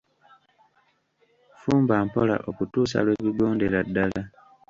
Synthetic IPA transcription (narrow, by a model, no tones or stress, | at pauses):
fuːmbaːmpo̞la̰ʔo̞kutuːsa̰lweːβiɡo̞ːnde̞ɾadːala